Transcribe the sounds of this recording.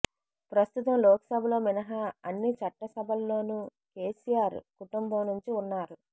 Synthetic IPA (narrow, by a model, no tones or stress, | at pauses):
pɾɐst̪ut̪ɐmlɔːkɐ̥sɐbʱɐlo̞ːminɐɦɐɐnːit͡ʃɐʈːɐsɐbʱɐlːo̞ːnuː | ke̞ːsijaːɾkuʈumbɐmnuɲt͡ʃiunːaːɾu